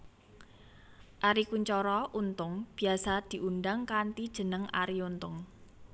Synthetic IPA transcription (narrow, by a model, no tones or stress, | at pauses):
ʔaɾikuɲt͡ʃɔɾɔʔunt̪ʊŋb̥i̤asad̪̥i̤ʔunɖaŋkant̪id̥ʒ̥ə̤nəŋa̰ɾiunt̪ʊŋ